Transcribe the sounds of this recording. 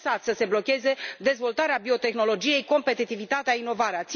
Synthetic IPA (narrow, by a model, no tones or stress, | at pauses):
sat̪səse̞blo̞kʲe̞ze̞d̪e̞zvo̞lt̪aɾeabio̞t̪e̞xno̞lo̞d͡ʒije̞jko̞mpe̞t̪it̪ivit̪at̪eaino̞vaɾeat̪s